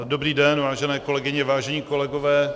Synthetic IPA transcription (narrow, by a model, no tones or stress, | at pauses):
dobɾiːdɛnvaːʒɛnɛːko̞lɛɡɪɲɛvaːʒɛɲiːko̞lɛɡovɛː